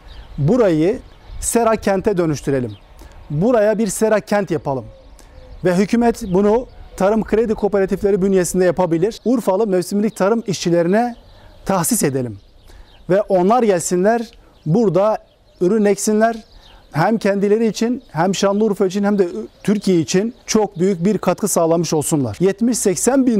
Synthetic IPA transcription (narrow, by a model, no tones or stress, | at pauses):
buɾajɯ | seɾacʰːɛnt̪ʰɛd̪ø̞nyʃt̪ʰyɾe̞lʲim | buɾajabiɾseɾacʰːænt̪japʰalˠɯm | vɛɦycʰymɛt̪bunut̪ʰaɾɯmkʰɾed̪ikʰo̞peɾat̪ʰiflʲeɾibynjesind̪ɛjapʰabilʲiɾ̥uɾfalˠɯmɛvsimlʲic̚t̪ʰaɾɯmiʃt͡ʃʰilʲe̞ɾinɛt̪ʰaxsised̪elʲim | vɛʔo̞nlˠaɾɟælʲsinlʲæɾ | buɾd̪a | yɾynɛcsinlʲæɾɦæmcʰɛnd̪ilʲe̞ɾiːt͡ʃʰinɦæmʃanlˠɯuɾfait͡ʃʰinhæmd̪ɛt̪ʰyɾcʰijeit͡ʃʰint͡ʃʰo̞k̚byjyc̚biɾkʰat̪kʰɯsaːlˠamɯʃo̞lˠsunlˠa̰ɾ̥jɛt̪miʃsɛcsænbi